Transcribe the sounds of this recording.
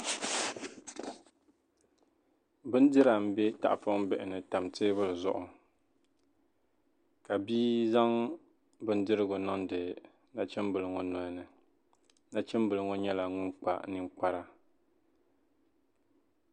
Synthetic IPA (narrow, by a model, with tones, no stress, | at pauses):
bɨ˦n˦dɨ˦ɾa˨m̩˨˦bɛ˦ta̰˨ʔfʊ˦m˦bɛ˨ʔɪ˨nɨ˨ta˨mtɨ˦bɨ˦lɨ˨zʊ̰˦ʔʊ˨ | ka˨biː˦za˦ŋ | bɨ˦n̩˦dɨ˦ɾɨ˦ɡʊ˨nɔ˦ndɨ˨ | na˦t͡ʃɛ˦m˦bɨ˨lɨ˨ŋɔ˨nɔ˨nɨ˨ | na˦t͡ʃɛ˦mbɨ˨lɨ˨ŋɔ˦ɲɛ˦la˨ŋʊ˦nk͡pa̰˦nɨ˨ŋk͡pa˦ɾa˦